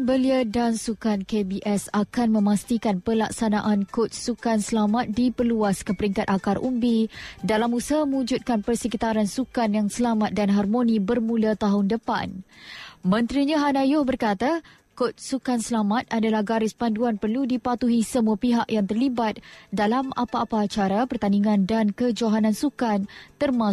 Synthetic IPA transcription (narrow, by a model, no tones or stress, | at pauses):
bəliədansukankebiʔɛsakanmə̃mast̪ikanpəlaksanaʔankot̪̚sukansəlamat̪̚dipərluaskəpəɾiŋkat̪̚akarʔumbidalamusmə̃ud͡ʒut̪̚kanpərsəkit̪aɾansukanjaŋsəlamat̪̚danɦarmonĩbərmũlat̪aɦʊndəpa̰n | mə̃nt̪ɾiɲaɦanajʊhbərkat̪a | kʊt̪̚sukansəlamat̪̚adalahɡaɾɪspanduanpərludipat̪uɦisəmuapiɦakjaŋt̪ərlibat̪̚dalama̰paːpaːt͡ʃaɾapərt̪aniŋãndankəd͡ʒaɦanansukant̪ərma